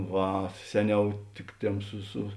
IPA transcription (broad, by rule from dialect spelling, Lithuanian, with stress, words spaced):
ˈʋɐ ˈsʲæːˌnʲɛʊ ˈtʲɪk ˌtʲeːm ˈsʊ sʊ